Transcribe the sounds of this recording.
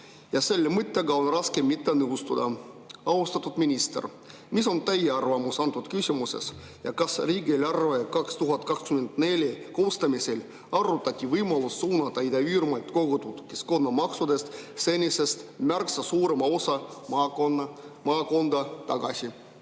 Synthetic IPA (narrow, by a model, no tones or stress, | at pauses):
jɑse̞lːemɨt̪ːeɡɑo̞nrɑskemːit̪ːenɯust̪ud̪ɑɑwst̪ɑt̪ːˑud̪minʲist̪ḛr | miso̞nt̪æjeɑrvɑmusɑnt̪ːˑud̪kysʲimuse̞̰s | jɑ̰kɑsriːɡilʲɑrvekɑkst̪uɦɑt̪̚ːˑkɑkskymend̪̥nelʲjeko̞ːst̪ɑmisel | ɑrːut̪ːˑɑt̪ʲːivɯjmɑlusːuːnɑt̪ːɑid̪ɑyːrmɑjt̪ko̞ɡ̥ot̪ut̪kːisko̞nːɑmɑksud̪e̞st̪se̞nʲise̞st̪mærksɑsuːɾemɑo̞sɑ | mɑːko̞nd̪ɑt̪ɑɡ̥ɑ̰sʲi